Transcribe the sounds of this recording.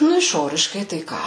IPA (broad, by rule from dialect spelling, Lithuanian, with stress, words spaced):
ˈnʊ ɪʃˈoːrʲɪʃkɐɪ ˈtɐɪ kɑː